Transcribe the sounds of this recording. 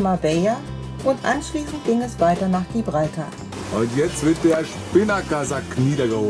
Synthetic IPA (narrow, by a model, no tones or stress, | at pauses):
mabɛɐ | ʔʊntʔa̰nʃliːsn̩t̚ɡ̥ɪŋɛsv̥aɪtɐnaːχd̥iːbʁaltʰa̰ | ʔʊntjɛt͡stv̥ɪɐt̚d̥eːɐʃpɪnɐkazakniːdɐɡəhoː